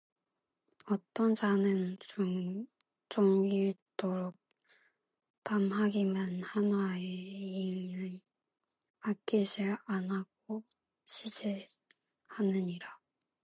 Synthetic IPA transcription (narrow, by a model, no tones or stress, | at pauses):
ʌt͈ʌnd͡ʑanɯn | t͡ɕoŋiɭt͈oɾok̚ | tamɦaɡimanhanaeinɯn | ak͈ed͡ʑianaɡ̥̚o | ɕʰid͡ʑe | hanɯɲiɾa